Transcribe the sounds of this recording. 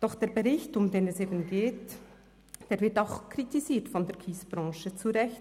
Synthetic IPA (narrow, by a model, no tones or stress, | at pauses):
d̥ɔχd̥eːɾbəɾɪçtʊmdeːnɛseːbn̩ɡeːt | d̥eːɾvɪɾtaʊxkʰɾitiziːtfɔndeːɹkʰiːsb̥ɾɑ̃ːʃət͡suɾɛç